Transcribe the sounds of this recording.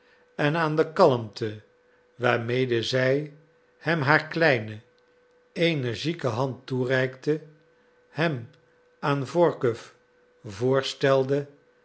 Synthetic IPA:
ɛnaːndəkɑləmtʰə | ʋaːɹmejdəzɛj | hɛmɦaːɹklɛjnə | ejnəɹʒikəɦɑnturɛjktə | hɛm | aːnvɔɹkəf | vʊːɹstɛlˠdə

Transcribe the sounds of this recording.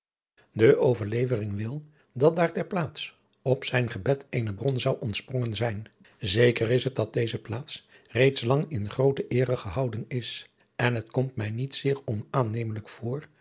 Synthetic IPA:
dəʔowvəɹlejvərɪŋʋɪlˠ | dɑt̚daːɹtɛɹplaːts | ɔpsɛjnχəbɛtejnəbrɔnzʌwʔɔntsprɔŋənzɛjn | zejkərɪsɦət̚dɑt̚dejzəplaːts | rejtslɑŋɪnχrowtəʔɪːrəχəɦɑwdənɪs | ɛnɦətkɔmtmɛjnitsɪːɹɔnaːnejmələkfʊːɹ

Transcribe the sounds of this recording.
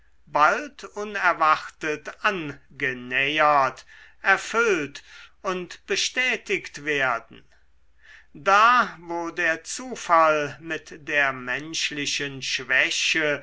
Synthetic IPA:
baltʰʊnɛɐvaχtətanɡənɛjɐtʔɛɐfʏltʊntb̥əʃtɛːtɪktv̥eːɐdn̩ | daːvoːdeːɐt͡suːfalmɪtdeːɐmɛnʃlɪʃənʃv̥ɛʃə

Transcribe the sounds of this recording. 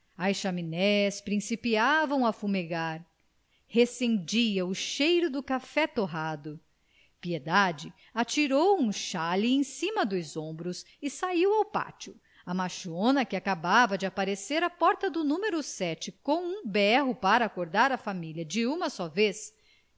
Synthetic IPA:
ɐjsʃaminɛspɾĩsipiavɐ̃w̃ɐfumeɡaɾ | hesẽnd͡ʒiɐʊʃejɾʊd̪ʊkafɛt̪oɦad̪ʊ | pied̪ad͡ʒɪ | at͡ʃiɾowũʃaliẽj̃sĩmɐd̪ʊjzõbɾʊs | ɪsaiwawpa̰t͡ʃʊ | ɐmaʃõnɐkɪakabavɐd͡ʒɪapaɾeseɾɐpɔɾt̪ɐd̪ʊnũmeɾʊsɛt͡ʃɪkõw̃ũbɛɦʊpaɾɐːkoɾd̪aɾɐfamilʲjɐd͡ʒɪũmɐsɔves

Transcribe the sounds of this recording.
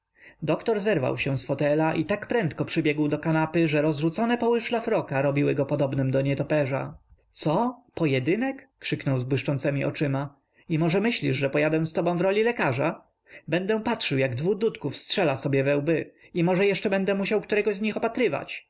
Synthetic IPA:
d̪ɔkt̪ɔɾzɛɾva̰wɕɛ̃w̃sfɔt̪ɛlaʔit̪akpɾɛnt̪kɔpʂɘbʲjɛɡwd̪ɔkanapɘʐɛɾɔzʐut̪sɔnɛpɔwɘʂlafɾɔkaɾɔbʲiwɘɡɔpɔd̪ɔbnɘmd̪ɔɲɛt̪ɔpɛʐa̰t̪sɔpɔjɛd̪ɘnɛkːʂɘknɔwzbwɘʂt͡ʂɔnt̪sɛmʲiɔ̰t͡ʂɘma | imɔʐɛmɘɕlʲiʐʐɛpɔjad̪ɛ̃st̪ɔbɔ̃w̃vɾɔlʲilɛkaʐa̰ | bɛnd̪ɛ̃patʂɘwjaɡd̪vud̪ut̪kufstʂɛlasɔbʲjɛvɛwbɘ | imɔʐɛjɛʂt͡ʂɛbɛnd̪ɛmuɕawkt̪uɾɛɡɔzɲixɔpat̪ɾɘva̰t͡ɕ

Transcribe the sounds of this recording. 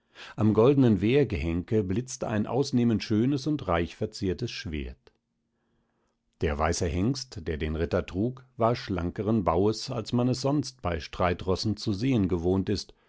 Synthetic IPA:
ʔamɡɔldən̩ənveːɐɡəhɛŋkəblɪt͡stəʔa̰ɪnʔa̰ʊsneːməntʃøːnəsʊntʁaɪçfɛɐt͡siːɐtəsʃv̥ḛːɐt | d̥eːɐvaɪsəhɛŋstd̥eːɐdeːnʁɪtɐtʁ̥uːkv̥aːɐʃla̰ŋkəʁənbaʊəsalsmanɛs̬z̥ɔnst̚b̥aɪʃtʁ̥aɪtʁɔsn̩t͡suzeːənɡəvoːntɪst

